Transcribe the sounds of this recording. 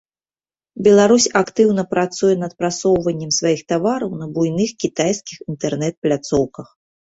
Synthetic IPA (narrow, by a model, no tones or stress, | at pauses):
bʲɛlˠaɾusʲakt̪ɨwnɐpɾat̪sujɛnɐt̪̚pɾat̪sɔwvɐnʲːɐmsvajixt̪avaɾɐwnɐbujnɨxkʲit̪ajskʲixint̪ɛrnɛt̪̚plʲat̪sɔwkɐx